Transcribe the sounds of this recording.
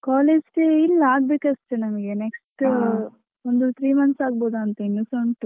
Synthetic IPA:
kaːleːd͡ʒkeilːaːɡ̚beːkɐst̪enɐmɐɡe̞neksʈ | ond̪ut̪ʰɾiːmɐnsaːɡ̚boːd̪uɐnt̪ɐinːusoɳʈ

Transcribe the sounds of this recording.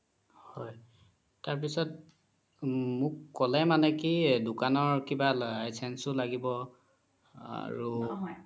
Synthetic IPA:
hɔj | taɹp̬isɔt̚ | mʊkːɔlɛmanɛkidʊkanɔɹkibalsɛnsʊlaɡibɔ | a̰ɹu

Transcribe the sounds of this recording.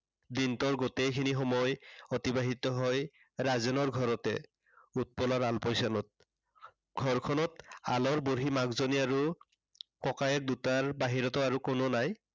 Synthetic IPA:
dintɔɹɡotejkʰinixɔmɔjɔtibaɦitɔɦɔj | ɹazɛnɔɹɡʱɔɹɔtɛ̰ | ut̚pɔlaɹalpɔjsanɔt̚ | ɡ̥ʱɔɹkʰɔnɔta̰lɔɹboɹɦimaɡzoniaɹu | kɔkajɛk̚dutaɹbaɦiɹɔtɔaɹukononaj

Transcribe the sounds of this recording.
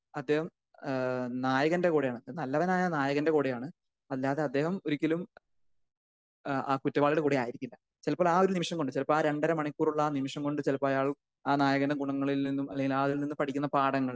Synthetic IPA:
ɐd̪ːe̞ːhɐm | naːjɐɣɐnde̞koːɽejaːɳɐnnɐlːɐʋɐnaːjɐnaːjɐɣɐnde̞koːɽejaːɳɨ | ɐlːaːðeɐd̪ːe̞ːɦɐmoɾikʲːɐlum | aːkutːɐbaːɭiɽekuːɽeaːjiɾikʲːulːɐ | t͡ɕelɐpːoːɭaːo̞ɾunimiʂɐmko̞ɳɖɨt͡ɕelɐpoːaːɾe̞ɳɖɐɾɐmɐɳikʲːuːruɭːɐaːnimiʂɐmkoɳɖɨt͡ɕelɐpːoːɐjaːɭ | aːnaːjɐɣɐndeɡuɳɐŋːɐɭilninːumɐ̰lːeŋɡilaːðilninːɨpɐʈʰikʲːunːɐpaːɽɐŋːɐɭ

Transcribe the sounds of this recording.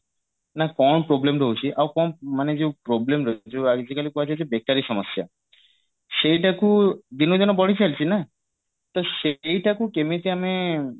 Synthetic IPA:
nakɔnpɾoblemɾowt͡ɕʰiʔawkɔnmaned͡ʑepɾoblemɾɔt͡ɕʰeaɡd͡ʑikalikɔat͡ɕʰed͡ʑʰebek̚taɾiʃɔmosja̰ | ʃejʈakud̪inod͡ʑɔnobɔɽit͡ɕʰalt͡ɕʰina | t̪oʃjʈakukemet̪eame

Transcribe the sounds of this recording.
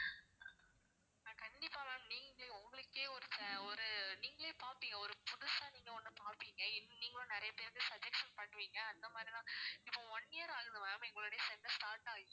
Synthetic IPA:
nakɐɳɖɪpːaːʋaːniːŋɡɡɐʊŋɡɐɭɯkːeːɔɾɯsɛɔɾɯniːŋɡɐɭeːpaːɾpiːŋɡɐɔɾɯpʊðʊsãːniːŋɡɐɔnːɯpaːɾpiːŋɡɐɪnːniːŋɡɐɭõːnɪɾɐjɐpeːɾðɯsɐd͡ʒɛksɐnpɐʈːɯʋiːŋɡɐːnd̪ɐmaːd̪ɾɪlãːɪpːõʋɔnːɪjɐɾaːɣɯðɯʋaːmɛŋɡɐɭoːɽejɐsɛndɐsʈaːɾʈaːɣ

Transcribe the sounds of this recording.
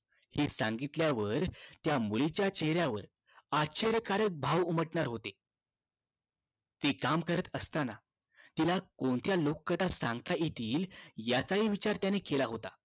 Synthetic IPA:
hisãŋɡit̪ljaʋəɾt̪jamuɭit͡ɕjat͡ɕeɦɾjaʋə̰ɾ | aɕʰeɾjəkaɾək̚bʱaʋuməʈɳaɾɦot̪e | t̪iːkamkəɾət̪əst̪ana | t̪ilakoɳt̪jalokːət̪asãŋɡt̪aʔit̪ʰiːljat͡saɦiʋit͡ɕaɾt̪janekelaɦot̪a

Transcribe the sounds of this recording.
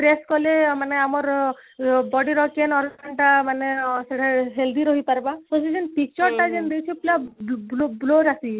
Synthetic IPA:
pɾeskɔlemaneamɔɾ | bɔɖiɾɔkenɔɾaɳʈamaneseʈʰaɦeld̪iɾɔɦipaɾbapɔ̃sid͡ʒenpik̚t͡ʃɔɾʈad͡ʒend̪ejt͡ʃʰiplablobloɾasi

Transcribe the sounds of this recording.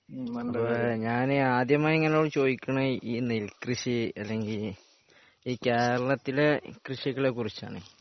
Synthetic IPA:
ɐpoɲaːnaːd̪jɐmaːjeŋːɐnejoːɽɨt͡ɕo̞ːjikʲːuɳɐiːnilkrɨɕiɐlːe̞ŋɡil | iːke̞ːɾɐɭɐt̪ːilekriɕiɣɐɭe̞ːkːurit͡ɕːa̰ːɳɨ

